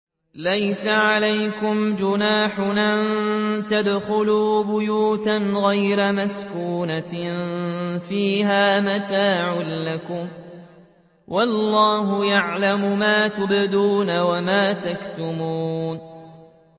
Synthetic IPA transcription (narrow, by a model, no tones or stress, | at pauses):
lajsaʕalajkʊmd͡ʒʊnaːħʊnant̪ad̪xʊluːbʊjuːt̪anɣajɾamaskuuːna | fiːhaːmat̪aːʕʊnlakʊm | wʔɑlːɑːɦʊjaʕlamʊmaːt̪ʊbɪd̪uːnawamaːt̪akt̪ʊmuːn